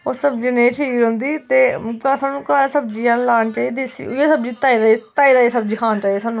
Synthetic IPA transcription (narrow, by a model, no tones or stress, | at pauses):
oːsəb̚d͡ʒinẽːt͡ʃʰiːiːɾõnd̪iːt̪eːkasaːnũːkaɾsəb̚d͡ʒiːãːnlaːnt͡ʃaːiːd̪esḭːʊesəb̚d͡ʒiːt̪aːiːd̪aːit̪aːiːd̪aːisəbd͡ʒiːkʰaːnt͡ʃaːiesaːnːũː